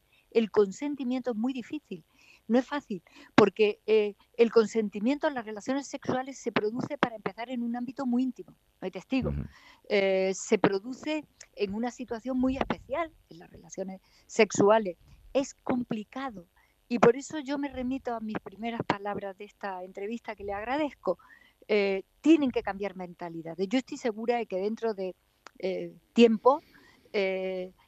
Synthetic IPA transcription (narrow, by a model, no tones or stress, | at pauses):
e̞lko̞nse̞nt̪imjẽnt̪oezmujðifiθil | noe̞sfaθilpo̞ɾke̞eː | lko̞nse̞nt̪imjent̪olare̞laθjone̞sːe̞kswale̞sːe̞pɾo̞ðuθe̞paɾaempe̞θaɾe̞nũnãmbit̪o̞muiint̪imo | nojt̪e̞st̪iɣo̰ | se̞pɾo̞ðuθe̞ːŋunasit̪waθjo̞ŋmuje̞hpe̞θjalenla̰re̞laθjo̞ne̞s | se̞ksuale̞se̞sko̞mplikaðo̞ | ipo̞ɾe̞so̞ʝo̞me̞re̞mit̪oamispɾime̞ɾaspalaβɾazðe̞st̪ae̞nt̪ɾe̞βist̪ake̞leaɣɾaðe̞θko̞ | t̪je̞neŋke̞kambjaɾmẽ̞nt̪aliðaðe̞ʝo̞e̞st̪ojse̞ɣuɾaeke̞ðe̞nt̪ɾo̞ðe̞ | t̪je̞mpo̞ | e